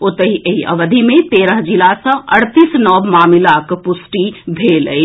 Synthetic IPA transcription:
ot̪əɦiʔəɦiə̰ʋəd̪ʱimet̪eɾəɦd͡ʒilasə̃ʔəɽt̪isnɔbmaːmilakpusʈibʱeləj

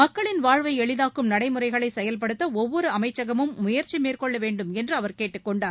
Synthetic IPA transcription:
mɐkːɐɭɪnʋaːɻʋɐɪɛɭɪðaːkːɯmnɐɽɐɪmɯrɐɪɣɐɭɐɪsɛjɐlp̬ɐɽɯt̪ːɐɔʋːɔɾɯɐmɐɪt͡ʃːɐɣɐmɯmːʊjɐɾt͡ʃimeːrkɔɭːɐʋeːɳɖɯmɛndrɯɐʋɐɾkeːʈːɯkːɔɳɖaːɾ

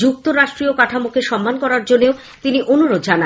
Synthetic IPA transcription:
d͡ʑuk̚t̪oɾaʃʈɾiokaʈʰamukʰeʃɔmːankɔɾaɾd͡ʑonːeo | t̪iniʔonuɾod̪d͡ʑana

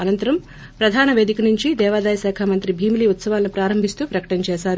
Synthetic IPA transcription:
ɐnɐnt̪ɐɾɐm | pɾɐd̪ʱaːnɐʋeːd̪ikɐnuɲt͡ʃid̪ɛːʋaːd̪aːjɐʃaːkʰaːmɐnt̪ɾibʱiːmiliːut̪sɐʋaːlɐnipɾaːɾɐmbʱist̪uːpɾɐkɐ̥ʈɐnɐt͡ʃɛːʃaːɾu

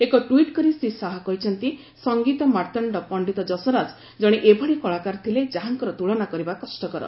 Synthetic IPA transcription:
ekɔʈwiʈkɔɾist̪ʰisaɦakɔɦit͡ʃʰɔnt̪i | sɔŋɡit̪ɔmaɾt̪ɔɳɖɔpɔɳɖit̪ɔd͡ʒɔsɔɾad͡ʒ | d͡ʒɔɽ̃eʔebʱɔɽikɔɭakaɾt̪ʰiled͡ʒaɦaŋkɔɾɔt̪uɭɔnakɔɾibakɔsʈɔkɔɾɔ̰

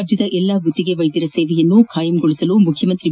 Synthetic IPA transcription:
bd̪jɐd̪ɐʔɛlːaɡʱut̪ːiɡe̞ʋɐjt̪iɾɐseːʋɛjɐnːukʰaːjɐmɡɔɭisɐlumukʰjɐmɐnt̪ɾi

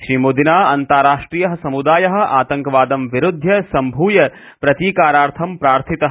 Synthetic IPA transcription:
ʃɾiːmoːd̪inaːɐnt̪aːɾaːʂʈɾiːjɐɦɐ̆sɐmud̪aːjɐɦɐ̆ʔaːt̪ɐŋkɐʋaːd̪ɐmʋiɾud̪ʱjɐsɐmbʱuːjɐ | pɾɐt̪iːkaːɾaːɾt̪ʰɐmpɾaːɾt̪ʰit̪ɐɦ

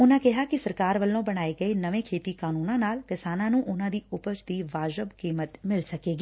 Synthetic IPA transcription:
ʊnãːkɪɦaːkɪsəɾkaːɾʋəlːõːbəɽ̃aːeːɡəeːnəʋẽːkʰeːt̪iːkaːnuːnãːnaːlkɪsaːnãːnũːʔʊnãːd̪iːʊpət͡ʃd̪iːʋaːd͡ʒəbkiːmət̪mɪlsəkeːɡiː

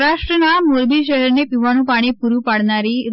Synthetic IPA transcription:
ɾaʂʈɾənamoɾbiɕ̬əɦɛɾnepiʋaɽ̃ũpaɽ̃ipuɾũpaɽnaɾiɾ

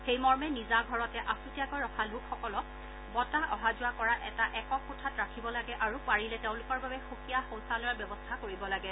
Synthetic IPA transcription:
xejmɔɹmɛnizaɡʱɔɹɔtɛʔasutijakojɹɔxʰalukʰxɔkɔlɔk | bɔtaʔɔɦazʊakɔɹaʔɛtaʔɛkɔkʰutʰatɹakʰibɔlaɡɛʔaɹupaɹilɛteʊ̃lʊkɔɹbabɛxukijaxõw̃salɔjabjɔbɔstʰakoɹibɔlaɡɛ

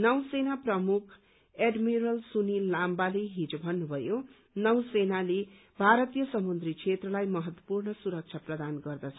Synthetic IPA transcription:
nʌwsenaprʌmukʰ | eɖmiɾʌlsunilambaleɦid͡zobʱʌnːubʱʌjo | nʌwsenale | bʱaɾʌt̪ijʌsʌmund̪rikt͡sʰet̪rʌlajmʌɦʌt̪wʌ̥purnʌsuɾʌk̚t͡sʰaprʌd̪anɡʌrd̪ʌt͡sʰʌ

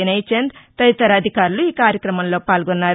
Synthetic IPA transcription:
ɐnɐjt͡ʃend̪t̪ɐʋit̪ɐɾɐd̪ʱikaːɾuluiːkaːɾjɐkɾɐmɐmlo̞ːpaːlɡonːaːɾ

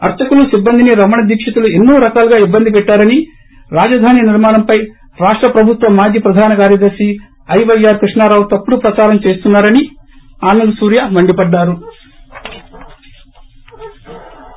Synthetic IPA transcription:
ɐɾt͡ʃɐkulusibːɐnd̪iniɾɐmɐɳɐd̪iːkʂɐt̪ulue̞nːuːɾɐkaːluɡaːibːɐnd̪ipɛʈːaːɾɐni | ɾaːd͡ʒɐd̪ʱaːniniɾmaːnɐmpɐj | ɾaːʂʈɾɐpɾɐbʱut̪ʋɐmːaːd͡ʒiːpɾɐd̪ʱaːnɐkaːɾjɐd̪ɐɾʃi | ɐjʋɐjːaːɾkɾiʂɳaːɾaːʋut̪ɐpːuɽupɾɐt͡ʃaːɾɐmt͡ʃe̞ːst̪unːaːɾɐni | aːnulusuːɾjɐmɐɳɖipɐɖːaːɾu

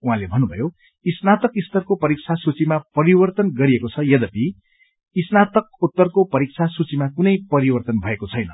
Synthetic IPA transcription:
uɦãlebʱʌnːubʱʌjo | isnat̪ʌkist̪ʌrkopʌɾik̚t͡sʰasut͡simapʌɾibʌrt̪ʌnɡʌɾiekot͡sʰʌjʌd̪ʌpi | isnat̪ʌk̚ut̪ːʌrkopʌɾik̚t͡sʰasut͡simakunʌjpʌɾibʌrt̪ʌnbʱʌekot͡sʰʌjnʌ

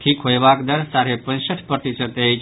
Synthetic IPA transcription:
ʈʰiːkɦojbakd̪əɾsaːɾepə̃nd͡ʒsəʈʰpɾət̪isəd̪eit͡ʃ

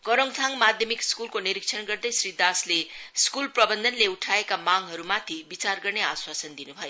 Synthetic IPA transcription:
kʌɾʌŋt̪ʰaŋmad̪ʱjʌmikskulkoniɾik̚sʰʌnɡʌrd̪ʌjsrid̪asleskulprʌbʌnd̪ʱʌnleuʈʰaekamaŋɦʌɾumat̪ʰibit͡sarɡʌrneaswasʌnd̪inubʱʌjo

